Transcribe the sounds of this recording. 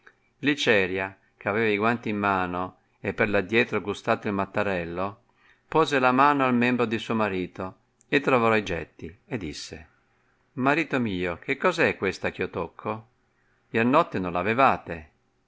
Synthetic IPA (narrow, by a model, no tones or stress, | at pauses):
lit͡ʃɛːɾja | k̟eavɛːvaiɡwant̪iːmːaːno | epːerlad̪jɛːt̪ɾoɡust̪aːt̪oilmat̪ːaɾɛlːo | pɔːzelamaːnoalmɛmbɾod̪isuomaɾiːt̪o | et̪ːɾavɔɾɔid͡ʒɛ̰t̪ːied̪ːisːḛ | maɾiːt̪omiːok̟ekːɔːzɛkːwest̪ak̟iːot̪okʰːo | jɛrnɔt̪ːenonlavevaːt̪e